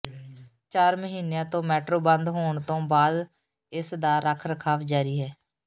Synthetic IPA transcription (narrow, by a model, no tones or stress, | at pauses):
t͡ʃaːɾməɦiːnejãːt̪õːmɛːʈɾoːbənd̪ɦoːɳt̪õːbaːd̪ | ɪsd̪aːɾəkʰɾəkʰaːʋd͡ʒaːɾiːɦɛː